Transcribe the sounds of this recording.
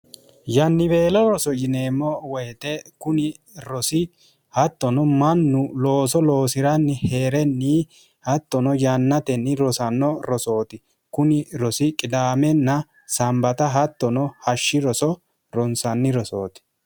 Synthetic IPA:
jɐnːɪbeːlɔɾɔsɔjɪneːmːɔwɛjt̪ɛkʊnɪ | ɾɔsɪ | hɐt̪ːɔnɔmɐnːʊloːsɔloːsɪɾɐnːɪheːɾɛnːi | hɐt̪ːɔnɔjɐnːɐt̪ɛnːɪɾɔsɐnːɔɾɔso̞ːt̪ɪ | kʊnɪɾɔsɪkʼɪd̪aːmɛnːɐ | sɐmbɐt̪ɐɦɐt̪ːɔnɔhɐʃːɪɾɔsɔ | ɾɔnsɐnːɪɾɔso̰ːt̪ɪ̥

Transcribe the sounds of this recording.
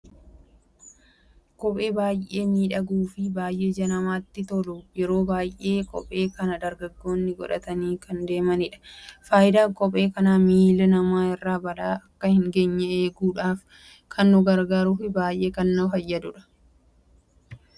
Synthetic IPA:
kɔpʼe̞ːbaːjʔe̞ːniːᶑɐɡuːfɪbaːjʔe̞ːd͡ʒɐnɐmaːt̪ːɪt̪ɔlʊjɛɾo̞ːbaːjʔe̞ːkʼɔ̰pʼe̞ːkɐnɐd̪ɐɾɡɐɡːo̞ːnːɪɡɔ̰ᶑɐ̰t̪ɐniːkɐnd̪e̞ːmɐnɪᶑɐ̥faːjɪd̪aːkʼɔpʼe̞ːkɐnaːmiːlɪnɐmaːɪrːaːbɐlaːɐkːɐhɪŋɡeɲːɛeːɡuːᶑaːf | kʰɐnːʊɡɐɾɡaːɾʊfɪbaːjʔe̞ːkɐnːʊɦɐjːɐd̪ʊᶑɐ̥

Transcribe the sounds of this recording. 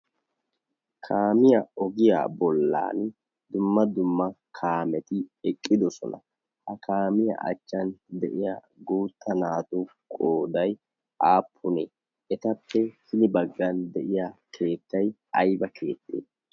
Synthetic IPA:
kʰaːmɪjɐɔɡɪja̰ːbɔlːa̰ːn | d̪ʊmːɐd̪ʊmːɐkʰaːmɛt̪ɪɛkʼːɪd̪ɔsɔ̰nɐ̰ | hɐkʰaːmɪjɐ̰ʔɐ̰t͡ʃːɐnd̪ɛʔɪja̰ː | ɡuːt̪ːɐnaːt̪u | kʼoːd̪ɐj | ʔaːpʰːʊneː | ɛt̪ɐpːɛhɪnɪbɐɡːɐnd̪ɛʔɪjakʰe̞ːt̪ːɐj | ɐjbɐkʰe̞̰ːt̪ːḛː

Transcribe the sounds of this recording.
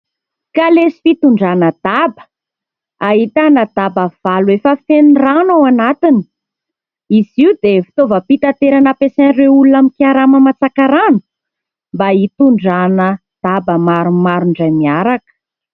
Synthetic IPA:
kalesi̥fit̪uɳɖ͡ʐanəd̪̥abə̥ | aɦit̪anəd̪abəv̥aluefəfeniranawanat̪ini̥ | iziud̪efi̥t̪ovəpit̪at̪eɾanəpesanreulunamikiaɾaməmat͡sakaɾanu̥ | mbait̪uɳɖ͡ʐanə | d̪̥abəmaɾumaɾuɳɖ͡ʐajmiaɾakə̥

